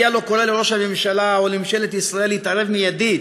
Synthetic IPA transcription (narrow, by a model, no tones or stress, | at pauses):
jalo̞koɾaleɾo̞ʃhamemʃalaolimʃelet̪isʁae̞lːiːt̪aɾe̞vmijad̪id̪